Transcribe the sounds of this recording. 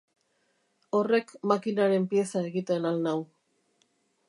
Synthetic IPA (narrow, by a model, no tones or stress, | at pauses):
o̞re̞kmakinaɾe̞mpie̞sae̞ɣit̪enalnaw